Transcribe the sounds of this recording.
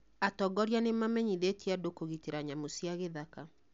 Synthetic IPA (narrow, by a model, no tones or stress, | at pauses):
atɔɡɔɾianemamɛɲiðetiadokoɣiteɾaɲamosjaɣeðaka